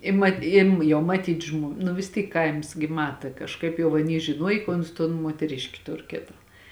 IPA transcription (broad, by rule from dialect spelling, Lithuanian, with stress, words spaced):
ɪ ˈmɐ ɪm ˈjɛʊ mɐˈtʲiːt ʒmoː nʊ ʋʲɪs ˈtʲiːk ˈkɐɪms ɡʲɪ ˈmɑːtɐ kɐʃˈkɐɪp jɛʊ ɐˈnʲiː ʒʲɪˈnuɔj kɐ ˈʊns toːn muɔtʲɛˈrʲɪʃʲkʲɪ ˈtʊr ˈkʲeːtɐ